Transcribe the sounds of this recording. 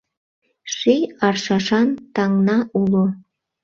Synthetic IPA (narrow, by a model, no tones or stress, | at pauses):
ʃijɑrʃɑʃɑnt̪ɑŋnɑʔulo